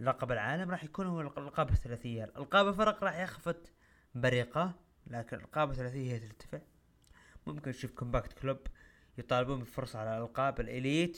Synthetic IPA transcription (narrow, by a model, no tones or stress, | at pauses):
lɑqɑbalʕaːlamɾˤɑːħjakuːnhʊwːallqɑːbaθalaːθɪjːalʔa̰lqɑːbalfɑɾˤqɾˤɑːħjaxfat̪ | baɾiːqa | laːkɪnʔɪ̰lqɑːbaθalaːθɪjahjːat̪ɪɾt̪ḁfɪʕ | mʊmkɪnʃuːfkʊmbaːkt̪klʊb | jt̪ˤɑːlɪbuːmbɪlfʊɾsˤɑʕalalʔalqɑːbɪlʔɪliːt̪